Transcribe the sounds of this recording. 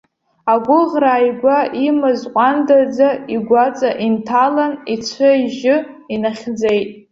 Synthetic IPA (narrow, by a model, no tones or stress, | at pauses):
aɡʷʊʁraːjɡʷaʔimɨzqʷʼandad͡zaiɡʷat͡sʼaʔintʰalanit͡ʃʷʰɨʒɪ | inaχʲd͡zejtʼ